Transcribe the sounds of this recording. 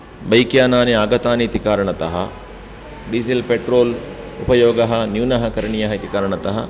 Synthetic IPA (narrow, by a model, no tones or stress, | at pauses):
bɐjkjaːnaːniaːɡɐt̪aːnit̪ikaːɾɐɳɐt̪ɐɦɐ̰ | ɖisilpeʈɾoːl | upɐjoːɡɐɦɐnjunɐɦɐkɐɾɐɳijɐɦɐit̪ikaːɾɐɳɐt̪ɐɦɐ